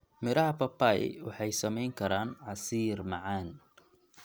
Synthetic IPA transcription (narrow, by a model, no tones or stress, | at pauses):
mɪɾɐhɐpʰɐpaḭwɑħɑjsɐmɛjŋkʰɐɾaːnʕɑsiːrmɑʕɑːn